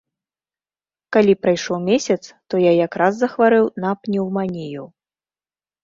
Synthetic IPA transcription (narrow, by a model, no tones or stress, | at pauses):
kalʲipɾajʂɔwmʲesʲɐt̪st̪ɔjajakɾazːɐxvaɾɨwnapnʲiwmanʲiju